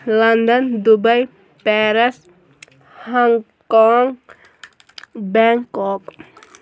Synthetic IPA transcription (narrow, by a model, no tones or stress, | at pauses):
land̪ɔnd̪ubaj | pɛɾɛs | hɔŋ | kɔŋ | baŋkɔk̚